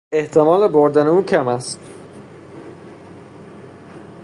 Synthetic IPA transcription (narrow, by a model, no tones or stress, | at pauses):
e̞ht̪ʰemɒːleboɾd̪æneuːcʰæmæst̪